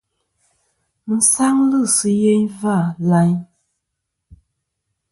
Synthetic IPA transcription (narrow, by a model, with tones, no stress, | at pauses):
n̩˨sa˦ŋlɨ˦˨sɨ˦je˦ɲva˦˨la˦ɲ